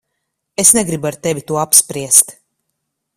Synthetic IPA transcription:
esnɛɡɾibaɾt̪ɛvʲit̪uɔapspɾiɛst̪

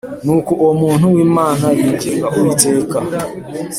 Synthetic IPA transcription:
nukuʔomunuwimanajid͡ʒeɡaʔoiteka

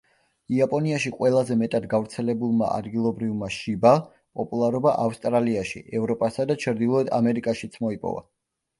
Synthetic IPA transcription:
iapʼɔniaʃiqʼwɛlˠazɛmɛt̪ʼad̪ɡavɾt̪sʰɛlɛbulˠma̰ʔa̰d̪ɡilˠɔbɾivmaʃiba | pʼɔpʼulˠaɾɔbaʔafst̪ʼɾaliaʃḭʔɛvɾɔpʼasad̪at͡ʃʰɾd̪ilˠɔɛd̪amɛɾikʼaʃit̪sʰmɔipʼɔ̰va̰

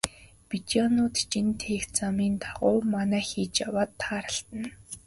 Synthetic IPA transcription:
pit͡ɕanʊːt̪t͡ɕint̪ʰeːxt͡samiːnt̪ʰaʁʊːmanæːxiːt͡ɕjawaːt̪ʰːaːɾə̆ɬt̪ə̆n

